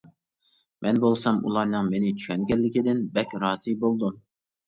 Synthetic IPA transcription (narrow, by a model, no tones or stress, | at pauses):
mʔɛnbolˠsɑmṵlˠɑɾnɨŋmenɪt͡ʃʰyʃɛnɡʲɛlːɪkʲid̪ɪnbɛkʲɾɑːz̥ibolˠd̪um